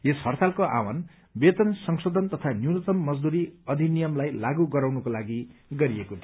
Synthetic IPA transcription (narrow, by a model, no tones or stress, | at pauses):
eshʌrt̪ʰalkoʔa̰wan | bet̪ʌnsʌŋsod̪ʱʌnt̪ʌt̪ʰanjuwnʌt̪ʌmːʌd͡zd̪uɾiʌd̪ʱinijʌmlajlaɡuɡʌɾawnʌkolaɡiɡʌɾiekot̪ʰ